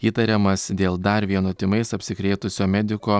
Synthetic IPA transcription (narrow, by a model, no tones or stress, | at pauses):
iːt̪ɐɾʲɛmɐsd̪ʲeːlˠd̪ɐɾʋʲiɛnoːt̪ʲɪmɐɪsɐpʲsʲɪkɾʲeːt̪ʊsʲoːmʲɛd̪ʲɪkoː